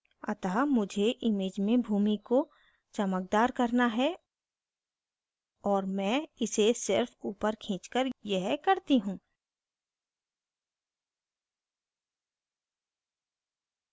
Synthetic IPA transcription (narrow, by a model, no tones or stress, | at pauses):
ɐ̰t̪aːmʊd͡ʒʱeʔɪmeːd͡ʒmẽbʱuːmiko | t͡ʃɐmək̚d̪aːɾkəɾnaɦɛ | ɔːɾmɛ̃ːɪsesɪɾfuːpəɾkʰĩːt͡ʃkəɾjɛɦkəɾt̪iɦũː